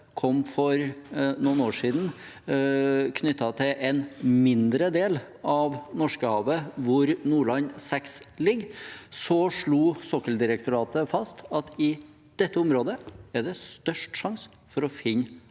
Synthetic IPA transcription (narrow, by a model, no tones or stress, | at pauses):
kʰɔmːfɔɾnʊnoːʂiːd̪n̩ | kʰnʏt̪ːɑt̪ʰɪlʔɛnmɪnd̪ɾəd̪eːl | ɑʋnɔʂkəhɑːʋəʋʊɾnuːɭɑnsɛkslɪɡːsɔʂɭuːsɔkəld̪ɪɾəkt̪ʊɾɑːt̪əfɑst̪ɑt̪ɪ | d̪̥ɛt̪ːəʊmɾoːd̪əæɖɛst̪œʂʈʂɑŋs | fɔɾɔfɪnː